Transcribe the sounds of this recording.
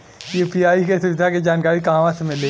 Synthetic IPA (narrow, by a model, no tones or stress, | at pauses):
epiaːikesʊʋɪd̪ʱaked͡ʒaːnkaːɾikaãʋãsemɪle